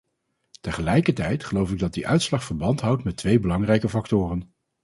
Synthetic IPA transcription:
təχəlɛjkəɹtɛjtχəlowfɪɡ̚dɑt̚diʔœɥtslɑχfəɹbɑntɦʌwtmɛtʋejbəlɑŋrɛjkəfɑktʊːrən

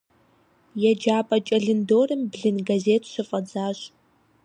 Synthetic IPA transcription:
jɛd͡ʒaːpʼɐt͡ʃʼɐɮɨndoːrɨmbɮɨnɡazeːtʰʃɨfʼɐd͡zaːɕ

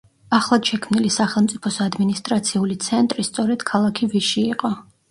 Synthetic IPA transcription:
aχlˠad̪ʃɛkʰmnilisaχɛlˠmt̪sʼipʰɔsad̪minist̪ʼɾat̪sʰiulit̪sʰɛnt̪ʼɾist̪sʼɔɾɛd̪̥kʰalˠakʰiviʃiːqʼɔ

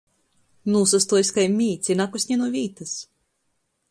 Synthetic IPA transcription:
nuːsast̪uɔisʲkajmʲiːt̪sʲinakusʲɲʲɛnuɔvʲiːt̪as

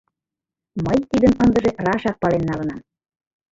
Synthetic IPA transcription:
məjt̪id̪ənənd̪ə̆ʒerɑʃɑk̚pɑlenːɑlənɑm

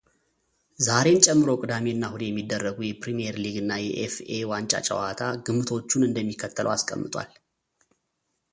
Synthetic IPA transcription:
zaɾe̞nt͡ʃʼɛmːɨɾo̞kʼɨd̪ameɨnːahud̪ejɛmːid̪ːərːəɡujɛpʰɾimieɾliɡɨnːajɛʔefewant͡ʃʼa̰t͡ʃʼə̰wat̪ʰaɡɨmɨt̪ʰo̞t͡ʃːunɨnd̪əmːikʰːət̪ʰːəlʔə̰waskʼə̰mːɨt̪ʼwa̰l

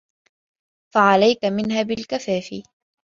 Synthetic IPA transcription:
faʕalajkamɪnhaːbɪlkafaːfḭ

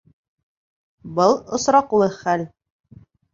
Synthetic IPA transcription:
bɤlˠŏsɾɑqulˠɤχæl

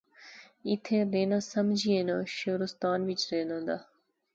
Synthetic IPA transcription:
ɪt̪ʰẽːɾeːnaːsəmd͡ʒʱienãːʃoːɾʊst̪aːnʋɪt͡ʃɾeːnãːnd̪aː

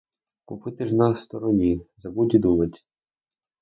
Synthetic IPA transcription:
kʊpɪt̪ɪʒnɐst̪ɔɾɔnʲizɐbudʲid̪umɐtʲ

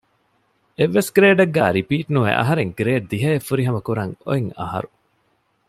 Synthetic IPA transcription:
eʋːesɡɾeːɖɐɡːæ̰ːɾipiːʈnuʋḛʔɐ̰ɦɐɾeŋɡɾeːɖ̚d̪iɦɐefːuɾiɦɐmɐkuɾɐŋo̰iŋɐ̰ɦɐ̰ɾu

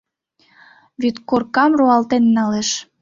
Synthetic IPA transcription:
βyt̪korkɑmroɑlt̪enːɑleʃ

